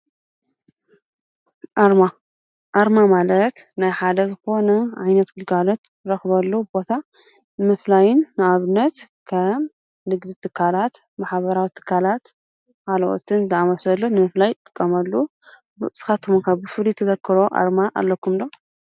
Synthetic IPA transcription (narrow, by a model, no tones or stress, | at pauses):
ʔaɾma | ʔaɾmamalɐt̪najħad̪ɐzɨxo̞nɐʕajnɐt̪ɡɨlɡalo̞t̪ | ɾɐxβɐlːobo̞t̪ʰa | nmɨflajɪnːɨaβɨnːɐt̪ | kʰɐm | nɨɡd̪it̪ʰɨkʰːalat̪ | maħβɐɾawit̪ʰɨ̥kʰːalat̪ | kalɐʔo̰t̪ʰɨnzɨamɐsɐlːonɨmɨflajt̪ʼɨ̥kʼːɐmɐlːu | bɨ̰ʔsɨ̥xat̪ʰːɨmonkʰaβbɨfɨlit̪ʰɐzɐkʰːɨɾo̞ʔa̰ɾmaʔa̰lːɐkʰːumd̪o